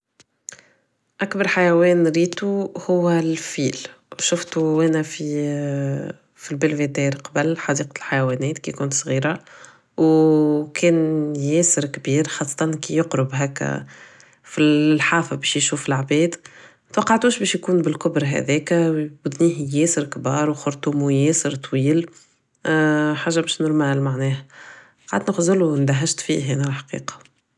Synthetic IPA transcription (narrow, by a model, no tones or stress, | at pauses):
ʔakbɑɾˤħajæwɛːnɾiːt̪uhʊwːælfiːl | ʃʊft̪uʔæːnæfi | filbɪlvet̪ɛːɾqɑbəlħɑd̪iːqlħajæwɛːnɛːt̪kikuːnt̪sˤɣiːɾa | wkʰɛːnjɛːsɪɾkbiːɾxɑːsˤːɑt̪ɑnkijʊqɾʊbɦɛːkːæ̰ | filħaːfabɛːʃjʃuːfɪlʕbɛːd̪ | t̪wɑqːɑʕt̪uːʃbɛːʃjkuːnbɪlkʊbɾɦɛ̰ðɛːkæbʊd̪niːhjɛːsɪɾkbɑːɾˤwxʊɾt̪umjɛːsɪɾt̪ˤwiːl | ħaːʒːabɛːʃnʊɾmælmaʕnɛːhæ | qaʕd̪nɪxzʊlund̪æɦaʒt̪fḭːɦænælħḁqḭːqɑ̥